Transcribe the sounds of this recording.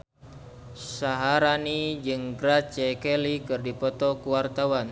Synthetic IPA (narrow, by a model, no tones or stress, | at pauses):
saɦaɾanid͡ʒɨŋɡɾat͡ʃɛkɛlikɨrdipɔt̪ɔkuwart̪awan